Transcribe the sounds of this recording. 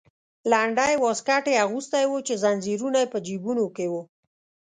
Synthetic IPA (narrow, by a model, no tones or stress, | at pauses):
laɳɖajwɔskaʈeaɣust̪ajwot͡ʃezanziɾunajpəd͡ʒibunokewu